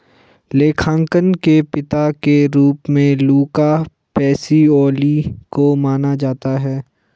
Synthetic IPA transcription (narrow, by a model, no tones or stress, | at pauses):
leːkʰãːŋkənkepɪt̪akeɾuːpmẽluːka | pɛːsiɔːlikomaːnad͡ʒaːt̪aɦɛː